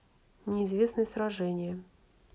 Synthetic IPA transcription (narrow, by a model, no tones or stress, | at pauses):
nʲɪːzvʲesnɨjəsɾaʐɛnʲɪjə